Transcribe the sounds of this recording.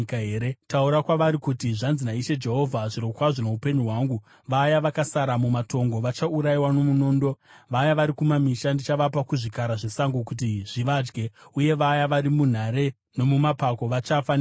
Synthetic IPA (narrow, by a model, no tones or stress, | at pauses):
kaɦeːɾetauɾakwaʋaɾikutiʐanzinaiʃe̞d͡ʒe̞ɦo̞vʱaʐiɾokwaʐono̞upe̞ɲuɦwaŋɡu | ʋajaʋakasaɾamumato̞ŋɡo̞ʋat͡ʃauɾaiwano̞muno̞ːndo̞ʋajaʋaɾikumamiʃandit͡ʃaʋapakuʐikaɾaʐe̞saŋɡukut̬iʐ̥iʋad͡ʒɡe̞uje̞ʋajaʋaɾimun̤aɾe̞ | no̞mumapako̞ʋat͡ʃafan